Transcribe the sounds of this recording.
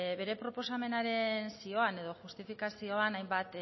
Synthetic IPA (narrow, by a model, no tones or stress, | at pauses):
βe̞ɾe̞pɾo̞po̞same̞naɾe̞nsio̞ane̞ðo̞ʝust̪ifikasio̞anajmbat̪